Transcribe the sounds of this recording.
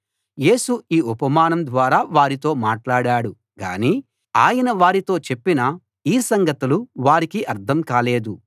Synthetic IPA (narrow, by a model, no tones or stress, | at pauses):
je̞ːsuiːupɐmaːnɐmd̪ʋaːɾaːʋaːɾit̪o̞ːmaːʈlaːɽaːɽu | ɡa̰ːniː | aːjɐnɐʋaːɾit̪o̞ːt͡ʃe̞pːinɐ | iːsɐŋɡɐt̪uluʋaːɾikiʔɐɾt̪ʰɐmkaːle̞ːd̪u